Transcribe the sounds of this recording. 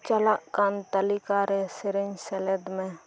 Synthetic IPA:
t͡ʃəlaʔkaːnt̪əlikaɾesɪɾeɲseled̪mẽ

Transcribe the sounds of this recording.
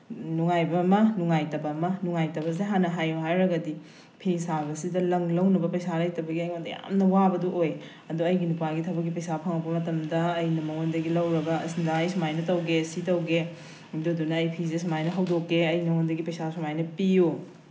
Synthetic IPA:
nuŋajbɐmɐnuŋajtɐbɐmɐnuŋajtɐbɐs̬eɦanɐɦajuɦajɾɐɡɐdi | pʰisabɐsidɐlɐŋlɐwnɐbɐpɐjsalɐjtɐbɐɡiɐjondɐja̰mnɐwabɐduʔoj | ɐduɐjɡinupaɡitʰɐbɐkɡipɐjsapʰɐŋɐbɐmɐtɐmdɐːjnɐmɐŋondɐɡilɐwɾɐɡɐsndajsmajnɐtɐwɡesitɐwɡe | duɐdunɐːjpʰizes̬majnɐɦɐwdokːeɐjnɐŋondɐɡipɐjsasumajnɐpiju

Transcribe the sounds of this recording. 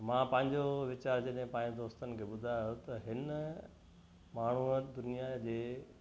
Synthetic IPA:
mãːpɐ̃ɦɪ̃ɲd͡ʑoʋɪt͡ɕaːɾd͡ʑɐɗɦɪ̃pɐ̃ːɪ̃ɲd͡ʑd̪oːst̪ənɪ̆kʰeːɓʊd̪ʱajot̪ɐɦɪn | maːɳ̤uəd̪ʊnijad͡ʑeː

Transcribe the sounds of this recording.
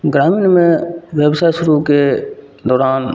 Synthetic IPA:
ɡɾaːmiːnmẽʋeːbsaːʃʊɾuke | d̪ɔːɾaːn

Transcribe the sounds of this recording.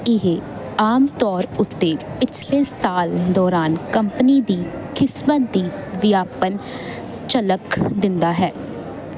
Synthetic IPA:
ɪɦe | aːmt̪ɔːɾʊt̪ːeːpɪt͡ʃʰleːsaːld̪ɔːɾaːnkəmpəniːd̪iːkʰɪsmət̪̚d̪iːʋɪjaːpən | t͡ʃələkd̪ɪnd̪aːɦɛː

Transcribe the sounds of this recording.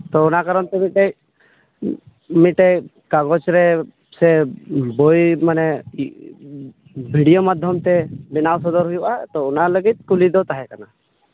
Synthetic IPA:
t̪ɔʊnakaɾɔnt̪ɛmiʈe | miʈe | kaɡɔt͡ʃɾɛ | sɛbojmanɛ | bʱiɽijomad̪ʱjɔmt̪ɛbinawsɔd̪ɔɾɦujbaɛt̪ɔʊnaləɡit̪̚kulid̪ɔt̪aɦɛkana

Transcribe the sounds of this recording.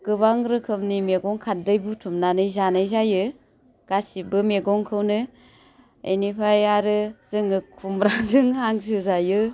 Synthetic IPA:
kɯbaŋɾɯkʰɯmnimeɡɔŋkʰadɯjbutʰumnanɯjzanɯjzajɯ | ɡ̥asibɯmeɡɔŋkʰɯwnɯ | ḛjnipʰajaɾɯz̥ɯŋɯkʰumɾaŋzɯŋhaŋzɯzajɯ

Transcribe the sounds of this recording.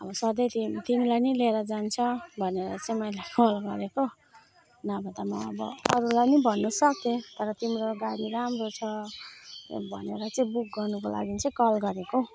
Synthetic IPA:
ʌbʌsʌd̪ʌjt̪ʰimt̪imilajnileɾʌd͡zant͡sʰʌbʱʌneɾʌ̰t͡sʌĩmʌjlajkʌlɡʌɾeko | nabʱʌt̪amʌ̰ʌbʌ̰ʌɾulajnibʱʌnːusʌk̚t̪ẽt̪ʌɾʌt̪imɾoɡaɽiɾamrot͡sʰʌ | bʱʌ̰neɾʌt͡sʌĩbuk̚ɡʌrnukola̰ɡint͡sʌĩkʌlɡʌɾeko

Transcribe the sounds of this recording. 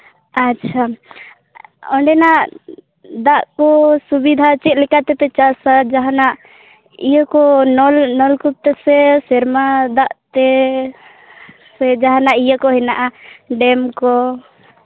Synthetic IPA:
atːʃʰa | ɔɳɖɛnaʔ | d̪aʔkɔsubid̪ʱat͡ʃɛt̪̚ˀlɛkat̪ɛp̪ɛt͡ʃasad͡ʒaɦanaʔ | ijəkɔnɔlnɔlkup̚t̪əsɛsɛɾmad̪aʔt̪ɛ | sɛd͡ʒaɦanaʔijəkɔɦɛnaʔaɖɛmkɔ

